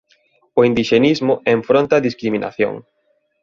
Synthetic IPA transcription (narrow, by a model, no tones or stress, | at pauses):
ʊind̪iʃenizmʊẽɱfɾont̪ɐːðiskɾiminʔa̰θjo̰ŋ